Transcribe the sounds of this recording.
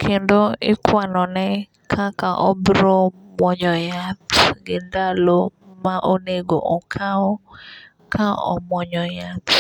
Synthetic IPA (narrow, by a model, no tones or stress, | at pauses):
kʰendoɪkwanɔnɛ | kʰakaʔɔbɾomwɔɲɔjatɡɪndalomaʔoneɡo̰ʔɔkʰaɔ | kʰaɔ̰mɔɲɔjat̪